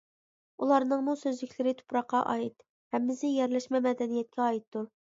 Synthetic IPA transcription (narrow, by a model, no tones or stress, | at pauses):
ulˠɑɾnɨŋmusøzlɪkʲʰlɪɾɪt̪ʰo̥pɾɑqːɑʔɑ̰it̪ | hɛmːɪzɪjɛɾlɛʃmɛmɛd̪ɛnijɛt̪̚kʲɛɑjit̪ːu